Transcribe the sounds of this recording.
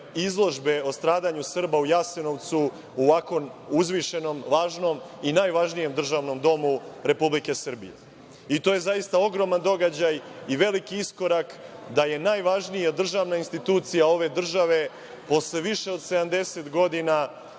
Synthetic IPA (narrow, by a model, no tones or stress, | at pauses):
izlˠo̞ʒbe̞o̞st̪ɾaːd̪aɲusr̩baujaseno̞ʋt̪su | uʋako̞nuzʋiʃe̞no̞mʋaːʒno̞m | inaːjʋaʒnije̞md̪r̩ʒaːʋno̞md̪o̞muɾe̞publike̞sr̩bḭjḛ | it̪o̞je̞zaist̪ao̞ɡɾo̞mand̪o̞ɡad͡ʑajiʋe̞likiisko̞ɾakd̪aje̞naːjʋaʒnijad̪r̩ʒaʋnainst̪it̪uːt̪sijao̞ʋe̞d̪r̩ʒaʋe̞ | po̞sle̞ʋiʃe̞o̞d̪se̞d̪amd̪e̞se̞t̪ɡo̞d̪ina